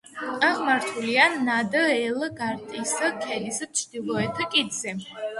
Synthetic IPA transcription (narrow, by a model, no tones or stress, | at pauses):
aʁmaɾt̪ʰulianad̪əɛlˠɡaɾt̪ʼiskʰɛd̪ist͡ʃʰd̪̥ilˠɔɛt̪ʰkʼid̪zɛ